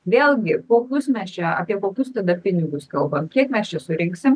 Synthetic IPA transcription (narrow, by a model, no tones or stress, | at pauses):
ʋʲeːlʲˠɡʲɪkoːkʲʊsmʲɛst͡ʃʲɛɑ̰ːpʲiɛkoːkʲʊst̪ɐd̪ɐpʲɪnʲɪɡʊskɐlˠbɐmkʲiɛkmʲɛst͡ʃʲɛsʊɾʲɪŋksʲɪm